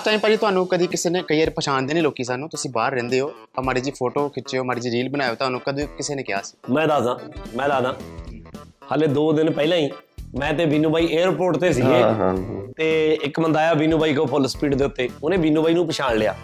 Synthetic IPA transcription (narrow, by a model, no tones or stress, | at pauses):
əsʈaːimpɛːleːt̪ʊɦaːnũːkəd̪iːkɪseːneːkəiːaːɾpəʃaːnd̪eːnẽːloːkiːs̬aːnũːt̪ʊsĩːbaːɾːɛ̃ːnd̪eːɦoː | əmaːɾeːd͡ʒiːpʰoːʈoːkʰɪt͡ʃeːoːmaːɾeːd͡ʒiːɾiːlbənaːjoːt̪ʊɦaːnũːkəd̪iːkɪseːneːkɪja̰ːsi̥ːmɛ̃ːd̪aːd̪ãːmɛ̃ːd̪aːd̪ãː | haːleːd̪oːd̪ɪnpɛɪlãːĩː | mɛ̃ːt̪̬ẽːbiːnũːbaːiːʔeːɾpoːʈt̪eːs̬iːɡeːɦt̪eːɪkmənd̪aːjaːbiːnuːbaːiːkoːpʰʊlspiːʈd̪eːʊt̪ːeːʊnẽːbiːnuːbaːiːnũːpəʃaːnlɪa̰ː